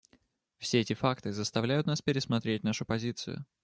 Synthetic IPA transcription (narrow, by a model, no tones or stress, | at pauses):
fsʲeɛtʲɪfakt̪ɨzəst̪ɐvlʲæjʊt̪naspʲɪɾʲɪsmɐt̪ɾʲet̚ʲnaʂʊpɐzʲit̪sɨ̰jʊ̰